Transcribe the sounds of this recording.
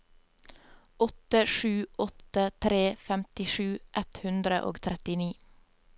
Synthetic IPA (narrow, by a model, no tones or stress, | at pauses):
ʔɔt̪əʃʉːʔɔt̪ət̪ʰɾeːfɛmt̪ɪʃʉːʔɛt̪hʉnd̪ɾə̰ʔo̰ːɡt̪ʰɾɛt̪ɪniː